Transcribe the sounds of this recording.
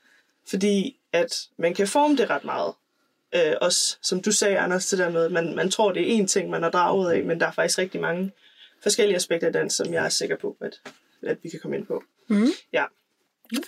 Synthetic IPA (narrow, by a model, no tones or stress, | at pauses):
fɒ̽d̥ḭː | æd̥mænkʰæfɒːməd̥e̝ʁɑ̈d̥mɑ̈ːð̞̩ˠ | ʔøʔɒ̽ssɒ̽md̥usɛːænɐst͡sʰe̝d̥eɐmeð̞ˠmænmænt͡sʰʁo̝ɐ̰d̥e̝æɐʔe̝̰nt͡sʰeŋ̰mænhɑd̥ʁɑ̈ːuð̰ˠɛmend̥ɑ̈æɐfɑɡ̥i̥sɡ̥ʁɛɡ̥d̥imɑ̈ŋə | fɒ̽sɡ̥el̰iəæsb̥eɡ̥̚d̥ɐid̥æn̰sɒ̽mjɑ̈ɪæɐse̝ɡ̥ɐpʰɒ̽æd̥ | æd̥ʋikʰækʰɒ̽məe̝n̰pʰɒ̽ | jæ